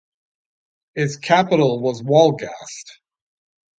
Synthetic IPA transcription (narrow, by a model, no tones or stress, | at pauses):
ɪtskʰæpəɾl̩ˠwʌzwɔlˠɡæst̚